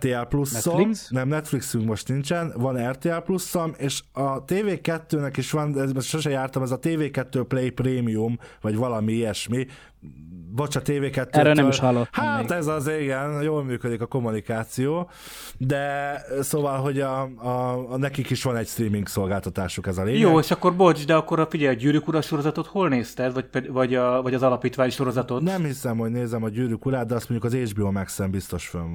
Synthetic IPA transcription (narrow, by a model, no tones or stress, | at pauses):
t̪eːɛlplusːoliksnɛmnɛt̪fliksyŋkmo̞ʃt̪nint͡ʃɛnvɒnɛrt̪eːɛlplusːomeːʃɒt̪eːveːkɛt̪ːøːnɛkiʃʋɒnɛmʃoʃɛjaːrt̪ɒmɛzɒt̪eːveːkɛt̪ːøːplejpreːmijumvɒɟʋɒlɒmiijɛʃmi | bot͡ʃɒt̪eːveːkɛt̪ːøːønɛiʃhɒlːohaːt̪ɛzɒzeiɡɛnjoːlmyːkød̪ikɒko̞munikaːt̪sijoː | d̪ɛsoːvɒlɦo̞ɟɒː | nɛkikiʃʋɒnɛcst̪ɾiːmiŋkso̞lɡaːlt̪ɒt̪aːʃukɛzɒleːjoːeːʃɒkːo̞rbold͡ʒd̪ɛɒkːoɾɒfiɟɛjɒɟyːɾykuɾɒʃo̞ɾozɒt̪ot̪holneːst̪ɛd̪vɒɟ̚pɛvɒɟɒvɒɟɒzɒlɒpiːt̪ʋaːɲʃo̞ɾo̞zɒt̪ot̪nɛmhisɛmho̞ɟneːzɛmɒɟyːɾykuɾaːd̪̚d̪ɛɒst̪mo̞ɲɟukɒzeːd͡ʒbiomɛksɛmbist̪o̞ʃføn